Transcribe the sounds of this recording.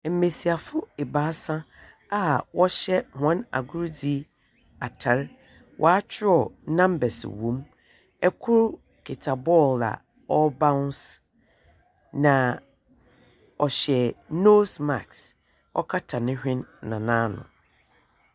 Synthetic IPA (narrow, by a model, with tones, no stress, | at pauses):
m̩˨mẽ˨si˨a˨fʊ˦e˨baː˨˦sã˦ | a˦wɔ˦ɕɛ˦hã˦na̰˨ɡu˦ɾd͡zi˦ | a˨tʰa˨ɾ | wʔɔ̰˨a˦t͡ɕʰɪ˦ɔ˨nã˦mbɛ˨sɪ̰˨wũ˨˦m | ɛ˦kʰʊ˦ɾ | kʰe˨tʰa˨bɔ˦˨la̰˨ | ɔ˦bã˦ns | nã˨ | ɔ˨ɕɛ˨no˦sma˨ks | ɔ̰˦kʰa˦tʰa˨nɪ̃˦hᶣɪ̃˦nːã˨nãː˦nʊ̰̃˨